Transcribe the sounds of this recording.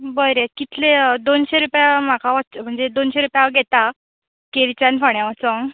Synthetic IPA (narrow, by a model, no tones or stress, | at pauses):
bəjɾekit̪ʰled̪onɕeɾupjam̤akaʋatːt͡səm̤əɳd͡zed̪onɕeɾupjaʋɡʱet̪a | keɾit͡ɕanfəɳjaʋat͡səŋ